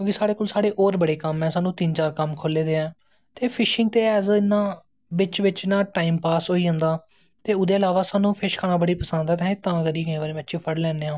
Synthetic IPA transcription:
jõːkɪsaːɽeːkoːlsaːɽeːʔɔːɾbəɽeːkəmɛ̃ːsaːnũːt̪int͡ʃaːɾkəmkʰoleːd̪eːɛ̃ː | t̪eːpʰɪʃɪŋɡ̚t̪eːɛzɪnːãː | ʋɪt͡ʃʋɪt͡ʃnãːʈaːiːmpaːsɦoːiːə̃nd̪aː | t̪eːʊd̪eːəlaːʋaːsaːnũːpʰɪʃkʰaːnãːbəɽiːpəsənd̪ɛːt̪ɛ̃ːɪt̪ãːkəɾiːɡəẽːʋaːɾeːmɛ̃ːətːʃʰiːpʰəɽlɛːneːãː

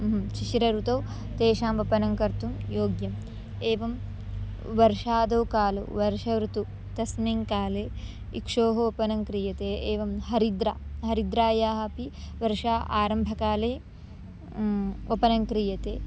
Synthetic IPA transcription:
ʃiʃiɾɐɾut̪ɐw | t̪eːʃaːmopɐnɐŋkɐɾt̪umjoːɡjɐm | eːʋɐm | ʋɐɾʃaːd̪ɐwkaːlṵʋɐɾʂɐʋɾut̪u | t̪ɐsneŋkaːleː | ikʂoːɦɐopɐnɐŋkɾijɐt̪eːeːʋɐmɦɐɾid̪ɾa̰ːɦɐɾid̪ɾaːjaːɦɐpiʋɐɾʂaːʔa̰ːɾɐmbʱɐkaːleː | opɐnɐŋkɾijɐt̪eː

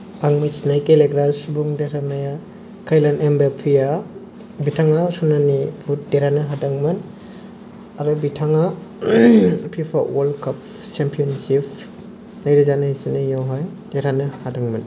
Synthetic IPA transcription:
aŋmisnajkeleɡɾasbuŋdeɾanaja | kʰajlanembepʰia | bitʰaŋasunanibʰut̚deɾanɯɦadaŋmɐn | aɾubitʰaŋa | pʰipʰa̰wolkʰap̚ | sempʰiɔnsipʰ | najɾazanajsinɯjawɦajdeɾanɯhadaŋmɐn

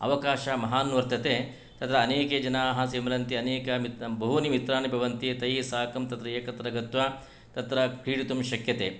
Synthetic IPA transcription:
ɐ̰ʋɐkaːʃɐmɐɦaːnʋɐɾt̪ɐt̪eː | t̪ɐt̪ɾɐːneːkeːd͡ʒɐnaːɦɐ̃simlɐnt̪iɐneːkɐmit̪bɐɦunimit̪ɾaːnibʱɐʋɐnt̪it̪ɐjisaːkɐmt̪ɐt̪ɾɐeːkɐt̪ɾɐɡɐt̪ʋɐ | t̪ɐt̪ɾɐkiːɽit̪umʃɐkjɐt̪eː

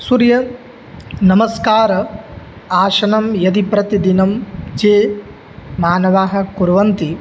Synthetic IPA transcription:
suɾjɐ | nɐmɐskaːɾɐ | aːʃɐnɐmjɐd̪ipɾɐt̪id̪inɐmd͡ʒeː | maːnɐʋaːɦɐ̆kuɾʋɐnt̪i

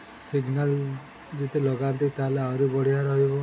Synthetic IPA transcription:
siɡnal | d͡ʒet̪ʰelɔɡant̪it̪aleaɾebɔɽ̤ijaɾɔɦibɔ

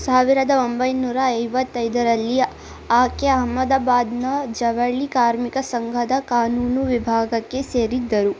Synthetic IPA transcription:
saːʋiɾɐd̪ɐombɐjnuːɾaɐjʋɐt̪ːɐjd̪ɐɾɐlːi | aːkeɐɦmɐd̪aːbaːd̪nɐd͡ʒɐʋɐɭikaːɾmikɐsɐŋɡʱɐd̪ɐkaːnuːnuʋibʱaːɡɐkːe̞seːɾid̪ːɐɾu

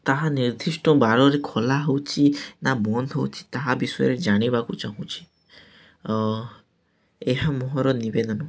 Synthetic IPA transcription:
t̪aɦaniɾd̪ʱisʈɔbaɾɔɾekʰɔlaɦowt͡ʃʰinabɔnd̪ɦowt͡ʃʰi̥t̪aɦabisɔjɔ̰ɾed͡ʒaɽ̃ibakut͡ʃaɦũt͡ʃʰi̥ | eɦamɔɦɔɾɔnibed̪ɔnɔ

